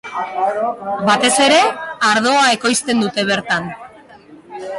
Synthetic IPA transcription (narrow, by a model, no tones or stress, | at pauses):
bat̪e̞se̞ɾe̞aɾð̞o̞ae̞ko̞jst̪e̞nd̪ut̪e̞β̞e̞ɾt̪an